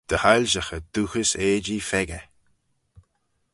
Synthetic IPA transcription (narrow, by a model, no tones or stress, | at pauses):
d̪̥əhajlʒəxəd̪̥uhəseːd͡ʒifɛɡə